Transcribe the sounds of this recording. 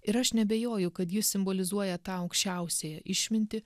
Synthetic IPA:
ɪɾɐʃnʲɛbʲeːjoːjʊkɐt̪jɪssʲɪmbolʲɪzuɔjɛt̪ɑːɐʊkʃʲt͡ʃʲɛˑʊsʲeːjɛʔɪʃʲmʲɪnʲt̪ʲɪ

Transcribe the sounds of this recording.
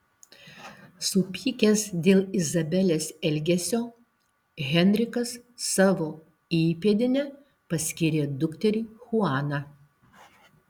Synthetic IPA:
sʊpʲiːkʲɛsd̪ʲeːlˠɪzɐbʲɛlʲeːsɛlʲɡʲɛsʲoː | ɣʲɛnʲɾʲɪkɐsːɑːʋoː | iːpʲeːd̪ʲɪnʲɛ | pɐsʲkʲiːɾʲeːd̪ʊkt̪ʲɛɾʲiːxʊɑːnɑ

